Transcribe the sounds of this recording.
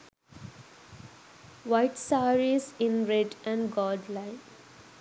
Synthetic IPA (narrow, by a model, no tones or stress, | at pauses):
ʋaɪʈsaːɾizɪ̃nɾeɖæ̃ɳɖɡɔːɖlãɪn